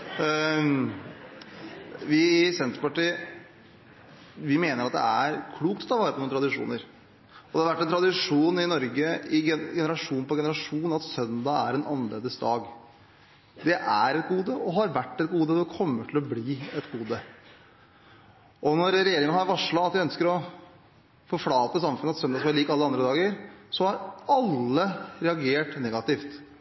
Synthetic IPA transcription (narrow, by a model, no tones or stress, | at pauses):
ʋɪsɛnt̪ɾəpɑʈiː | ʋɪmeːnəɾɑt̪̚d̪ɛ̰æɾkʰluːkt̪ɔt̪ʰɑʋɑːɾəpɔnuːnət̪ʰɾɑd̪ɪʂṵːnəɾ | ɔd̪ɛhɑɾʋæʈːɛnt̪ʰɾɑd̪ɪʂuːnɪnɔɾɡəɪɡɛnəɾɑʂuːnpɔɡɛnəɾɑʂuːn̩ɑt̪sœnd̪ɑæɾɛnɑnlḛːd̪əsd̪ɑːɡ | d̪ɛʔæɾɛt̪̚ɡuːd̪əɔɦɑɾʋæʈːɛt̪ɡuːd̪əd̪ɛkʰɔmːəʈʰɪlɔbliːɛt̪ɡuːd̪ə | ʔɔnɔɾɾɛjeːɾɪŋənhɑɾʋɑʂɭɑɑt̪ʋæɪœnskəɾɔ | fɔɾflɑːt̪əsɑmfʉnəɑt̪sœnd̪ɑsɔmæɭiːkɑlːəɑnd̪ɾəd̪ɑːɡəɾsɔhɑɾɑlːəɾɛɑɡeːʈnɛɡɑt̪ɪft̪